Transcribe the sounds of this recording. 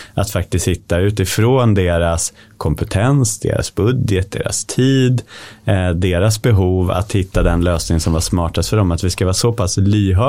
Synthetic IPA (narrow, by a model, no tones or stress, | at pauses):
at̪fak̚t̪ɪst̪hɪt̪ːaʉ̟ːt̪ɪfɾoːnd̪eːɾas | kʰɔmpɛt̪ʰɛnsd̪ḛːɾa̰sbɵd̪jət̪̚d̪ḛːɾa̰st̪ʰiːd̪ | d̪eːɾasbɛɦuːva̰t̪hɪt̪ːad̪ɛnløːsnɪŋənsɔmvasmɑːʈast̪fœɖɔmat̪vɪskavɑːsɔpʰaslyːɦœ